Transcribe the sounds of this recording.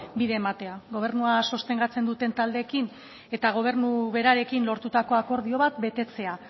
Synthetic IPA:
biðe̞ːmat̪e̞aɣo̞β̞e̞ɾnuaso̞st̪e̞ŋɡat͡se̞nd̪ut̪e̞nt̪ald̪eːkin | e̞t̪aɣ̞o̞β̞e̞ɾnuβe̞ɾaɾe̞kinlo̞ɾt̪ut̪ako̞ako̞ɾðio̞βat̪be̞t̪e̞t͡se̞a

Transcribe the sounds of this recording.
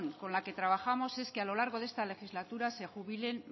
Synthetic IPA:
ŋko̞nlake̞t̪ɾaβ̞axamo̞se̞skealo̞laɾɣ̞o̞ðe̞st̪ale̞xizlat̪uɾase̞xuβilen

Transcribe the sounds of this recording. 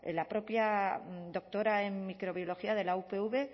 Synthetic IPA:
ḛlapɾo̞pjad̪o̞k̚t̪o̞ɾaeŋmikɾo̞β̞jo̞lo̞xiaðe̞laupeuβe

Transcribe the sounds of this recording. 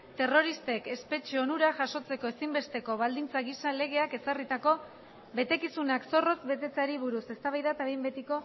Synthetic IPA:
t̪e̞ro̞ɾist̪e̞ke̞spe̞t͡ʃeo̞nuɾaʝaso̞t͡se̞ko̞e̞simbe̞st̪e̞ko̞β̞ald̪int͡saɣisale̞ɣ̞e̞ake̞sarit̪ako̞ | βe̞t̪e̞kisunakso̞ro̞zbe̞t̪e̞t͡saɾiβuɾuse̞st̪aβajðat̪aβejmbe̞t̪iko̞

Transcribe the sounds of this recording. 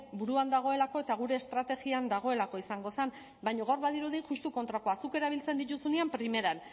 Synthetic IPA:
buɾuand̪aɣ̞o̞e̞lako̞e̞t̪aɣ̞uɾe̞ːst̪ɾat̪e̞ɣiand̪aɣ̞o̞e̞lakoisaŋɡo̞san | bajɲo̞ɣawɾβaðiɾuðeʝust̪uko̞nt̪ɾakoasuke̞ɾaβ̞ilt͡se̞nd̪it̪usuneampɾime̞ɾan

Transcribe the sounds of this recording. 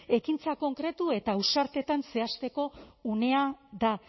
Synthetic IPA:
e̞kint͡sako̞ŋkɾe̞t̪ue̞t̪ausaɾt̪e̞t̪anse̞ast̪e̞ko̞une̞aða

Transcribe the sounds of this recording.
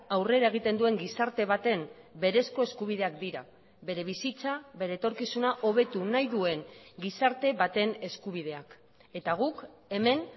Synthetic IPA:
awre̞ɾae̞ɣ̞it̪e̞nd̪ue̞ŋɡisaɾt̪e̞βat̪e̞m | be̞ɾe̞sko̞e̞skuβ̞ið̞e̞akd̪iɾa | βe̞ɾe̞β̞isit͡saβe̞ɾe̞ːt̪o̞ɾkisunaʔo̞β̞e̞t̪unajðue̞ŋɡisaɾt̪e̞βat̪e̞ne̞skuβ̞iðe̞ak | e̞t̪aɣ̞uke̞me̞n

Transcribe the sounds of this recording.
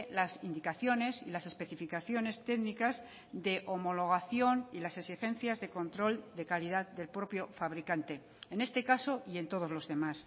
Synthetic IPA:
lasind̪ikaθjo̞ne̞silase̞spe̞θifikaθjo̞ne̞st̪e̞ɣnikaz | d̪e̞ʔomo̞lo̞ɣ̞aθjo̞nilasesixe̞nθjazðe̞ko̞nt̪ɾo̞ld̪e̞kaliðaðd̪e̞lpɾo̞pjo̞faβɾikant̪e̞ | ene̞st̪e̞kaso̞ie̞nt̪o̞ð̞o̞zlo̞zðe̞mas

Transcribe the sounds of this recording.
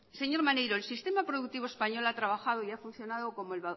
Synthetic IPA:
se̞ɲo̞ɾmanejɾoelsist̪e̞mapɾoðuk̚t̪iβ̞oespaɲo̞lat̪ɾaβaxað̞oiafun̟θjo̞nað̞oko̞moelβa

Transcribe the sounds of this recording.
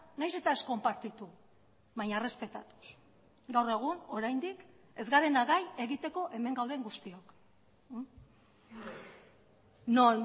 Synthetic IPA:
najse̞t̪ae̞sko̞mpaɾt̪it̪u | βajɲare̞spe̞t̪a̰t̪u̥s | ɡawre̞ɣ̞uno̞ɾajnd̪ik | e̞zɡaɾe̞naɣaje̞ɣit̪e̞ko̞ʔe̞me̞ŋɡawðeŋɡust̪iok | non

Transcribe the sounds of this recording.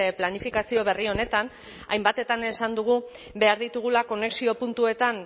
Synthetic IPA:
planifikasio̞β̞e̞rio̞ne̞t̪an | a̰jmbat̪e̞t̪ane̞sand̪uɣ̞u | be̞aɾðit̪uɣ̞ulako̞ne̞ksio̞punt̪ue̞t̪an

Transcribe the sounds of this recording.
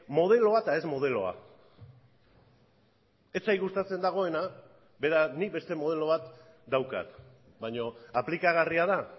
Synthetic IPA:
mo̞ðe̞lo̞at̪ae̞zmo̞ð̞e̞lo̞̰a̰ | et͡sajɣust̪at͡se̞nd̪aɣ̞o̞e̞na | be̞ɾanik̚be̞st̪e̞mo̞ð̞e̞lo̞β̞at̪ | d̪awka̰t̪ | baɲo̞aplikaɣariað̞a

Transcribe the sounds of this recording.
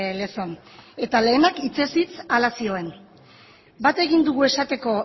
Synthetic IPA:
le̞so̞ne̞t̪ale̞ːnakit͡se̞sit͡salasio̞e̞n | bat̪e̞ɣind̪uɣue̞sat̪e̞ko̞

